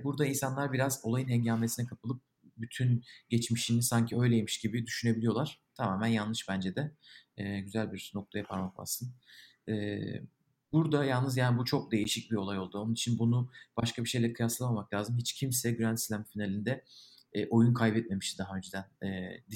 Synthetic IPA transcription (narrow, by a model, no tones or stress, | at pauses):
buɾd̪ainsanlˠaɾbiɾazo̞lˠajɯnhɛɲɟaːme̞sinɛkʰapʰɯlˠɯp̚ | byt̪ʰynɟɛt͡ʃmiʃinisaɲcʰiø̞jlʲejemiʃɟibid̪yʃyne̞bilʲijo̞lˠaɾ̥t̪ʰamaːmænjalˠːɯʃbænd͡ʒɛd̪ɛɛːɟyzælʲbiɾ̥no̞k̚t̪ʰajapʰaɾmakla̰ssɯn | ɛː | buɾd̪ajalˠnɯzjaːnibut͡ʃʰo̞k̚d̪e̞jiʃic̚bio̞lˠajo̞lˠd̪uo̞nunit͡ʃʰinbunub̥aʃkʰabiʃejlʲɛɾkʰɯjaslˠamamaklʲaːzɯmɦit͡ʃcʰimsɛɟyɾænsilʲæmfinalʲind̪ɛ | ʔo̞junkʰajbɛt̪̚me̞miʃt̪id̪aɦaø̞nd͡ʒed̪ænɛːd̪